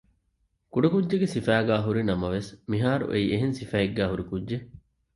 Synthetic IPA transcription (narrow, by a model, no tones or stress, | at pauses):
kuɖɐkudʒeɡesifæːɡæːɦuɾinɐmɐʋesmiɦaːɾṵʔḛiːʔeɦensifæeɡːæːɦuɾikudʒe